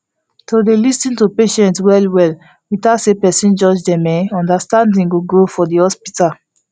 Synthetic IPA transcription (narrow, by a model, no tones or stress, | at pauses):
todelistĩntupeʃɛ̃ntswɛlwɛl | witasepɛsĩnd͡ʒɔd͡ʒdɛ̃mɛɔ̃ndastãndĩŋɡoɡɹofɔdihɔspital